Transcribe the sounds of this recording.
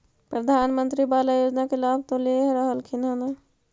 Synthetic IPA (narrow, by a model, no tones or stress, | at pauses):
pɾəd̪ʱaːnmə̃nt̪ɾibalajoːd͡ʒnakelabʱt̪õleɦɾəɦəlkʰinana